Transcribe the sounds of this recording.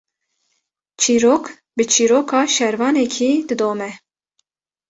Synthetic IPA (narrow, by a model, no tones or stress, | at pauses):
t͡ʃʰiːɾoːk | bɨt͡ʃʰiːɾoːkʰɑːʃɛɾvɑːnɛkʰiːd̪ɨd̪oːmɛ